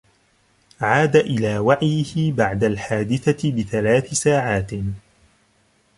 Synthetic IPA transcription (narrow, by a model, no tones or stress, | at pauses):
ʕaːd̪aʔɪlaːwaʕjɪhɪbaʕd̪alħaːd̪ɪθaɪbɪθalaːθɪsaːʕaːt̪